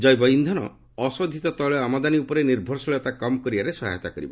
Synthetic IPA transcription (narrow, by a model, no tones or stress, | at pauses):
d͡ʒɔjbɔind̪ʱɔnɔ | ɔsɔd̪ʱit̪ɔt̪ɔɭɔamad̪aniupɔɾeniɾbʱɔɾsɔɭjɔt̪akɔmɔkɔɾibaɾesɔɦa̰jt̪akɔɾibɔ